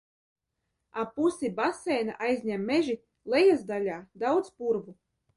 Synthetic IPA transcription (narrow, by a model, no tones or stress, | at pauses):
apusibasɛːnaʔajzʲɲʲæmːeʒi | lˠejazd̪alʲaːd̪awd̪spuɾvu